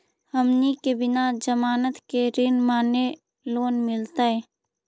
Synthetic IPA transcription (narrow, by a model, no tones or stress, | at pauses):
ɦəmnikebɪnad͡ʒəmaːnət̪keɾɪnmaːne | loːnmɪlt̪aɦɛː